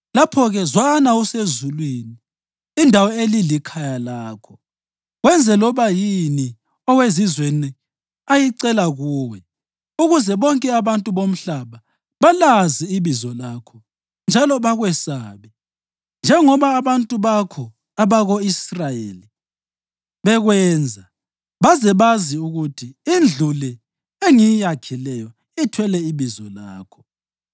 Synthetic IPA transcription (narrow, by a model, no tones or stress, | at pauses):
lapʰɔɣɛzwanausezulwiniː | ndʱawɔelilikʰajalaːkʰɔ̥ | ɣwɛnd͡zʱɛlɔβajini | ɔwezizweni | ajiǀɛlaɣuːwɛ | uɣuzɛβɔŋkʼɛaβantʼuβom̩ɬaβa | βalaziːβizɔlakʰɔ̥ | nd͡ʒʱalɔβaɣwɛsaːβɛ | nd͡ʒʱɛŋɔβaːβantʼuβakʰɔ | aβaɣoisrajḛːli | βɛɣwɛːnd͡zʱa | βazɛβaziuɣutʰiind͡ɮʱulɛ | eŋijijakʰilɛjɔ | itʰwɛlɛiβizɔlaːkʰɔ̥